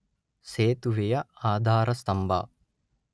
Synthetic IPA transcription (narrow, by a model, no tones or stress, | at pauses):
seːt̪uʋejɐaːd̪ʱaːɾɐst̪ɐmbʱa̰ː